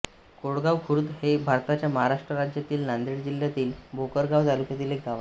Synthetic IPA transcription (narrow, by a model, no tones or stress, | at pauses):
koɽɡaʋkʰuɾud̪hebʱaɾt̪at͡ɕjaməɦaɾaʂʈɾəɾad͡ʑjat̪iːlnand̪ɾiɽd͡ʑiljat̪iːlbʱokəɾɡaʋd͡zaɾupjet̪iːlek̚ɡ̪ʱaʋa